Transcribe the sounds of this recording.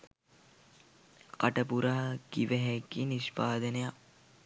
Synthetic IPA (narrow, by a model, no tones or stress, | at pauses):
kaʈəpuɾaɦɡ̥iʋəɦɛɡiniʃpaːd̪əneja